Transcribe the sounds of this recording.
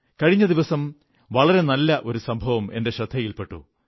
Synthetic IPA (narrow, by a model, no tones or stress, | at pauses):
kɐɻiɲːɐd̪iʋɐsɐm | ʋɐɭɐɾe̞nɐlːɐʔo̞ɾusɐmbʱɐʋɐme̞nde̞ɕɾɐd̪ʱːɐjilpe̞ʈːṵ